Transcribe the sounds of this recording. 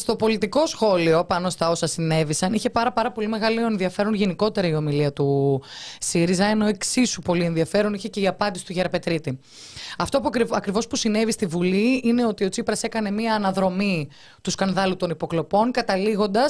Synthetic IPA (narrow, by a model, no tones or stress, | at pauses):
st̪o̞po̞lit̪iko̞sxo̞lio̞pɐno̞st̪ɐo̞sɐsine̞visɐniçe̞pɐɾɐpɐɾɐpo̞lime̞ɣɐlionðiɐfe̞ɾo̞nʝe̞niko̞t̪e̞ɾɐio̞miliɐt̪u | siɾizɐeno̞e̞ksisupo̞lie̞nðiɐfe̞ɾo̞niçe̞ce̞iɐpɐnd̪isi̥t̪uʝeɾɐpe̞t̪ɾit̪i | ɐft̪o̞pɐkɾivo̞spusine̞vist̪ivuliine̞o̞t̪io̞t͡sipɾɐse̞kɐne̞miɐːnɐðɾo̞mi | t̪uskɐnðɐlut̪o̞nipo̞klo̞po̞nkɐt̪ɐliɣo̞nd̪ɐs